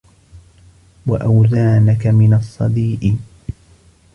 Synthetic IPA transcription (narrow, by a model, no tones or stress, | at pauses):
waʔawzaːnakamɪnɑsˤːɑd̪iːʔɪ